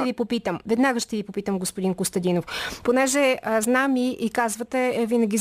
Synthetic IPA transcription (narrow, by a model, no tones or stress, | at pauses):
ɛvipopit̪əmvɛd̪naɡəʃt̪ɛvipopit̪əmɡospod̪iŋkost̪ɐd̪inofponɛʒɛznamiʔikazvət̪ɛvinəɡʲiz